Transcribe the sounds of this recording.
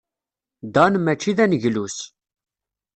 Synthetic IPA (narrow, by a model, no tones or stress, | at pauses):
d̪ɑnmæt͡ʃːiðænəʝlus